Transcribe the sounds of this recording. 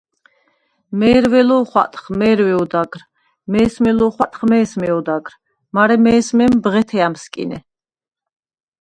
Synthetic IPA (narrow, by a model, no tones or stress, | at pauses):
mɛːɾvɛlɔχwa̰t̪ʼχmɛːɾwɛɔd̪aɡɾ | mɛːsmɛlɔχwat̪ʼχmɛːsmɛɔd̪aɡɾ | maɾɛmɛːsmɛmbʁɛt̪ʰɛamskʼḭnɛ